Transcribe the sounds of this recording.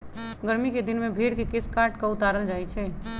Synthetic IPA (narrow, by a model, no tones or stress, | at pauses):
ɡəɾmiked̪ɪnmẽbʱeɽkekɪskaɾʈkaʊt̪aːɾəld͡ʒaːjt͡ʃʰɛ